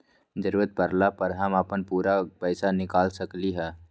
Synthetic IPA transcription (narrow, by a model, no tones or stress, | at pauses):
d͡ʒəɾuːɾət̪̚pəɾlapəɾɦəməpənpuːɾapəɪsanɪkaːlsəkliɦɛː